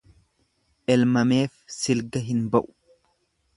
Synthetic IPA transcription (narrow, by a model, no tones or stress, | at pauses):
ʔɛlmɐme̞ːfsɪlɡɐɦɪnbɐʔʊ̥